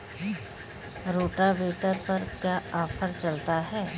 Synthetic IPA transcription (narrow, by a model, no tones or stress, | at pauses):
ɾoːʈaʋeːʈəɾpɐɾkjaːaːfʰəɾt͡ʃɐlt̪aɦɛː